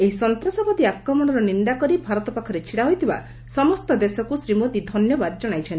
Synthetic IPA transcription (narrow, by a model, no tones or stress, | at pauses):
eɦisɔnt̪ɾasɔpɔt̪iakɾɔmɔɽ̃ɔɾɔnind̪akɔɾibʱaɾɔt̪ɔpakʰɔɾet͡ʃʰiɽaɦojt̪ʰiba̰ | sɔmɔst̪ɔd̪esɔkusɾimot̪id̪ʱɔnjɔbad̪d͡ʒɔɽ̃ajt͡ʃʰɔnt̪i